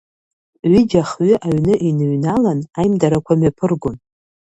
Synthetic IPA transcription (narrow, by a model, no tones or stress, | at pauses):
ɥɪd͡ʒaχɥʏʔaɥnɨʔinɨɥnalanajmdaɾakʷʰamɥapʰɨrɡʷʊn